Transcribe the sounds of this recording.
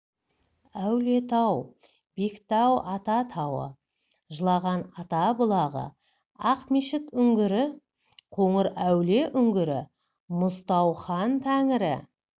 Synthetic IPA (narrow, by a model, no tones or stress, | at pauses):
æwle̞t̪ʰɑw | b̥e̞kt̪ɑwɑt̪ɑt̪ʰɑwə̰ | ʒəlˠɑʁɑnɑt̪ɑbʊlˠɑʁə̰ | ɑqmeʃɪt̪ʏŋɡʲɪɾɪ | qʰoɴəɾæwle̞ʔʏŋɡʲɪɾɪ | mʊst̪ɑwχɑnt̪ʰæŋɪɾɪ̰